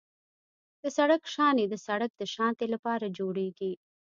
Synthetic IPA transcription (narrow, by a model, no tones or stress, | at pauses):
d̪̥əsaɽəkʃɑned̪əsaɽak̚d̪əʃɑnt̪elapɑɾad͡ʒoɽeɡi